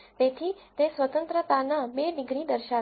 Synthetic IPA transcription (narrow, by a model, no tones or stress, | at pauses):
t̪et̪ʰit̪esʋət̪ənt̪ɾət̪anabeɖɪɡɾid̪əɾʃa